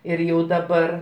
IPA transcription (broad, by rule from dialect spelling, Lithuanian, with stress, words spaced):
ɪr ˈjɛʊ dɐˈbɐr